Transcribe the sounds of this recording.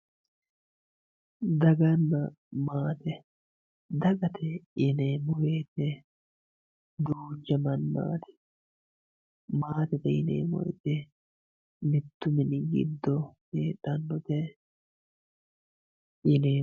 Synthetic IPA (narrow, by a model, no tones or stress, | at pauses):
d̪ɐɡɐnːɐ | maːt̪ɛ | d̪ɐɡɐt̪ʰɛɪneːmɔweːt̪ɛ | d̪uːd͡ʒɐmɐnːa̰ːt̪ɛ̥ | maːt̪ɛt̪ɛɪ̰nḛːmɔ̰jɛ̰t̪ɛ | mɪt̪ːʊmɪnɪɡɪ̰d̪ːɔneːᶑɐnːɔt̪ɛ | ʔɪneː